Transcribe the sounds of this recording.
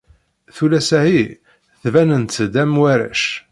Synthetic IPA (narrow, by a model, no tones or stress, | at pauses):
θulæsæhi | θvænənt̪ːd̪æmwæɾæ̰ʃ